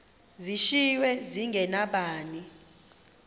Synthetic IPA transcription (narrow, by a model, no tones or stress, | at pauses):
ziʃiwɛziŋɡʱɛnaɓaːni